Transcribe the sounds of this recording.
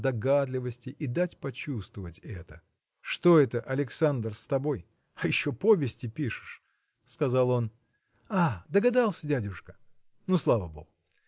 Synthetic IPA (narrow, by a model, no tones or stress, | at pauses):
d̪ɐɡad̪lʲɪvəsʲtʲɪʔid̪atʲpɐt͡ɕust̪vəvətʲɛ̰t̪ə | ʂt̪o̞ɛt̪əʔɐlʲɪksand̪rst̪ɐbo̞j | ɐjɪɕːo̞po̞vʲɪsʲtʲɪpʲiʂɨ̥ʂ | skɐzɑlˠo̞n | ad̪əɡɐd̪alˠsʲədʲædʲʊʂkə̥ | nuslˠavəbo̞̰ɡʊ